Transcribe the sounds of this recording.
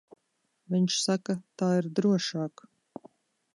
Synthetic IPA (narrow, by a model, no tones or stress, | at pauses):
viɲʃsakɐt̪aːiɾd̪ɾuɔʃaːk